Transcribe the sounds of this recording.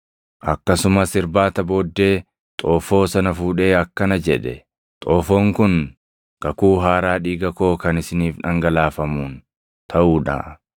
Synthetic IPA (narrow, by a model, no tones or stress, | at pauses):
ʔɐkːɐsʊmɐsɪɾbaːt̪ɐbo̞ːd̪ːe̞ː | t̪ʼoːfo̞ːsɐnɐfuːᶑe̞ːɐkːɐnɐd͡ʒɛᶑɛ | t̪ʼoːfo̞ːŋkʊn | ɡ̥ɐkuːɦaːɾaːᶑiːɡɐko̞ːkɐnɪsɪniːfᶑɐŋɡɐlaːfɐmuːn | t̪ʰɐʔuːᶑa̰ː